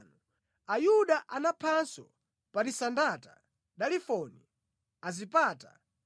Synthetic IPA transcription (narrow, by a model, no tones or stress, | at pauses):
nu | ajuɗaʔanapʰansɔ | paɾisandata̰ | ɗalifɔni | azipaːta